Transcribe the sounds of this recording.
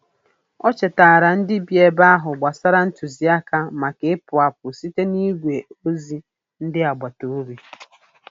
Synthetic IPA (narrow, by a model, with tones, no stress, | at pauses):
ɔ˦t͡ʃe˨ta˨ɾa˨n̩˦dɪ˦bje˨ba˦a˦ɦʊ˨ɡ͡ba˨sa˦ɾa˦n̩˦tu˨zi˨a˦ka˦ma˨ke˨ɪ˦pʊ˨a˨p̚ʊ˨si˦te˦ni˦ɡʷe˨o˦zi˦ | n̩˦dɪ˦a˨ɡ͡ba˨to˨o˦ɾi˦